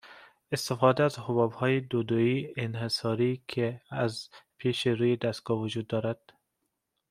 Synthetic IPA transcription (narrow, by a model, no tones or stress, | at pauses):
est̪efɒːd̪ææzhʊbɒbhɒːjed̪od̪oiːenhesɒɾikʰeæzpʰeʃeɾuːjed̪æst̪̚ɡ̥ɒvʊd͡ʒuːd̪̚ːɒːɾæd̪̥